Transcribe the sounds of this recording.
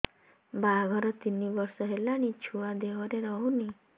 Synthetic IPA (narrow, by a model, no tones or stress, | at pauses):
bʱaɡʱɔɾɔt̪inːibɔɾsɔɦelaɽ̃it͡ʃʰuad̪eʋɔɾeɾɔɦũni